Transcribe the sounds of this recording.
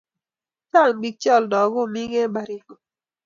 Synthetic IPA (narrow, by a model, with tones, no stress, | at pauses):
t͡ʃa˦˨ŋbi˦k̚t͡ʃɔ˦˨ldɔ˨ɡʊ˦˨mi˦ɡɛ˦ba˨ɾi˨˦